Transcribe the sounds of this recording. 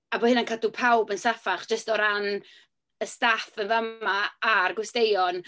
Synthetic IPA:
abɔhɪnankʰadupʰawbənsafaχd̥ʒ̥əstɔɾan | əstafənvamaːrɡwʊstejɔn

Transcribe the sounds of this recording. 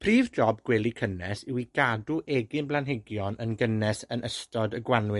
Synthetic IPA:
pʰriːvd͡ʒɔbɡwɛlˠikʰənɛsɪwiɡ̥aduʔɛɡɪnblˠanɦɪɡjɔnənɡənɛsənəstɔdəɡwanwɪ

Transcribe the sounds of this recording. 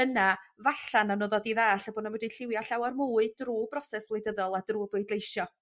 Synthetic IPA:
ənavaɬananoðɔdivɛːɬabɔnawɛdiɬɪwjaɬawarmuːɨdruːbrɔsɛsvlˠejdəðɔlˠad̥ruːblejdlˠejʃɔ

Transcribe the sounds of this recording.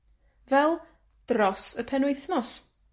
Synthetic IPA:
vɛlˠ | d̥rɔsəpʰɛnwɪjθnɔs

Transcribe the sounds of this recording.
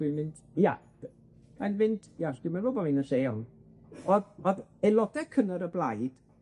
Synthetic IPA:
inmɪnd | ja̰ | anmɪnd̥jasd̥ɪmabobɔvinənseːɔn | ɔðɔðelˠɔdɛkʰənəɾəblˠajd̥

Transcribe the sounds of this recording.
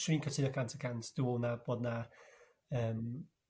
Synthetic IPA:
ʃriːnkʰətʰɪnɔkʰantʰəkʰantʰd̥uɔnab̥ɔːdna | əːm

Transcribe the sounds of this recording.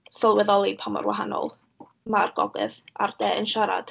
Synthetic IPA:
sɔlˠwɛðɔlˠipʰamɔ̰rwaɦanɔ̰lˠ | marɡɔɡɨ̰ðard̥ɛːənʃaɾa̰d̥

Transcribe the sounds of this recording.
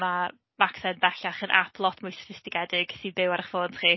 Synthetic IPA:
ma | vaksɛnbɛɬaχənʔa̰pʰlˠɔtʰmʊjstḁtʰɪstɪkɛdɪɡ̥sibɪwaɾaχfoːntʰχiː

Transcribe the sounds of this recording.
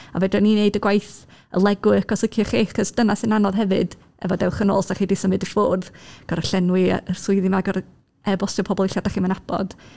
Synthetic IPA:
a̰vɛdrɛnineɨdəɡwajθ | ə̰lˠɛɡʊɨkʰɔsɪkʰjɔχiːaχɔsd̥ənasɨnanɔðɦɛvɨd̥ | ɛ̰vɔdɛwχənɔ̰lˠsaχiːdisəmɨdəfʊːrðɡ̥ɔɾəɬɛnwɪəsʊɨðimaɡɔr | ɛbɔsjɔpʰɔbɔlˠɪɬad̥aχiːmənab̥ɔ̰d̥

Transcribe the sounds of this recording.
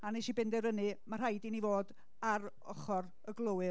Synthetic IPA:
aniʃibɪndɛɾənɨmar̥ɦajdinivoːd | aɾ | ɔχɔr | əɡlˠowɨ

